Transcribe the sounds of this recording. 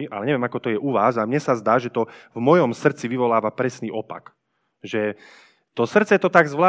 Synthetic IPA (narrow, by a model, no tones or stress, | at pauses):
iʔalɛɲɛʋɪɛmakɔt̪ɔjɛʔuʋaːzamɲɛsazd̪aːʒɛt̪ɔvmɔjɔmsr̩t͡siʋiʋɔlaːʋapɾɛsniːʔɔpa̰k | ʒɛ | t̪ɔsr̩t͡sɛt̪ɔt̪aɡzʋlaː